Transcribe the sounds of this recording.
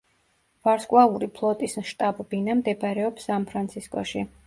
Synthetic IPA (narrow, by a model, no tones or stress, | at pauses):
v̥aɾskʼwalˠuɾipʰlˠɔt̪ʼismʃt̪ʼabbinamd̪ɛbɾɛɔpsanpʰɾant̪sʰiskʼɔ̰ʃi